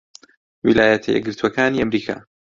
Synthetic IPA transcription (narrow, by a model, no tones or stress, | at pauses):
wilaːjɐt̪ʰɐjɛ̰ɡɨɾt̪ʰuwɐkaːniːamɾiːkʰa̰ː